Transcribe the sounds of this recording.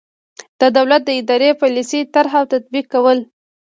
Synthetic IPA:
d̪̥əd̪awlat̪̚d̪əɪd̪ɑɾepɑlisit̪aɾɦawt̪at̪̚bikːawəl

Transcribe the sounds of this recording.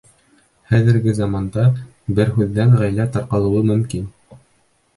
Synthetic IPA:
χæðɘ̆ɾɡɘzɑmɑnd̪ɑ | bɘɾɦʉðːæŋʁæjlæt̪ɑɾqɑlˠɤ̆wɤmɵ̆mkin

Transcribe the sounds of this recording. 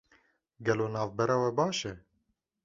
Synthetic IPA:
ɡɛloːnɑːvbɛɾɑːwɛbɑːʃɛ

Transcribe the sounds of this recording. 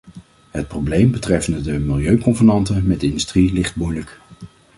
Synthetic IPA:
ɦət̚prowblejmbətrɛfəndədəmɪlˠjøɥkɔnvənɑntəmɛdɪndystrilɪχd̚mujlək

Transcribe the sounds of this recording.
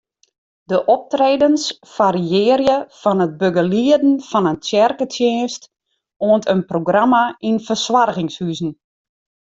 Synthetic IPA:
dəʔɔp̚treːdəns | faɾiɪəɾjəfɔnət̚bøɡəliədn̩fɔnəntjɛrkətʰjeːnst | oəntʰənproɡramainfərswarɣɪŋshyzn̩

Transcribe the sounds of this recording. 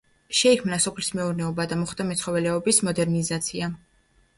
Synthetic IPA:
ʃɛikʰmnasɔpʰlismɛuɾnɛɔbad̪amɔχd̪amɛt̪sʰχɔvɛlɛɔbismɔd̪ɛɾnizat̪sʰia

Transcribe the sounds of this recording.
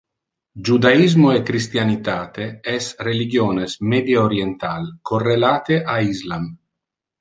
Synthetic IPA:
d͡ʒud̪aizmoekɾist̪janit̪aːt̪eɛsreliɡjoːnesmed̪jeoɾjent̪alkorːelaːt̪eʔaizlam

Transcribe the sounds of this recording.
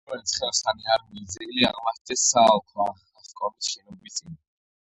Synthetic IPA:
ɛt̪sʰχɛlsχaniaɾmizilia̰ʁmatt̪ʰɛsalˠkʰwa | aχkʼɔmisʃɛnɔbit̪sʼin

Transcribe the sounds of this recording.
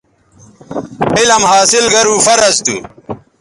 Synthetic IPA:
ilɐmhaːsilɡɐɾuːfɐɾɐzt̪ṵ

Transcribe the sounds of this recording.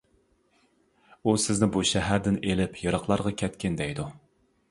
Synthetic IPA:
usɪznɪbuʃɛɦæɾd̪ɪnelɪpʰjɑɾɑχlˠɑɾʁɑkʲʰɛt̪kʲɪnd̪ɛjd̪u

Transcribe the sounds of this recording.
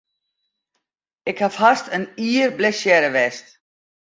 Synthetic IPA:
ɪkhafhastəniːəɾblɛsjɛɾəʋɛst

